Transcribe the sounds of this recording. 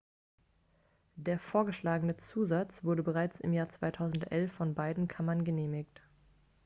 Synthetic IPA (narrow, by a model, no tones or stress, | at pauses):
d̥eːɐfoːɐɡəʃlaːɡənət͡suːzat͡sv̥ʊɐdəbəʁaɪt͡sɪ̰mjaːɐt͡sv̥aɪtʰaʊzn̩tʔɛlfːɔnbaɪdn̩kʰamɐnɡəneːmɪkt